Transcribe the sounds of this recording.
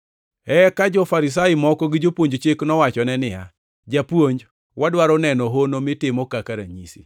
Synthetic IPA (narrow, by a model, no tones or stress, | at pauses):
ɛkad͡ʒɔfaɾɪs̬ajɪmɔkɔɡɪd͡ʒopwoɲd͡ʒt͡ʃɪknɔwat͡ʃɔnɛnɪja̰ | d͡ʒapwoɲd͡ʒ | wadwaɾɔnɛnɔɦonomɪtɪmɔkakaɾaɲisḭ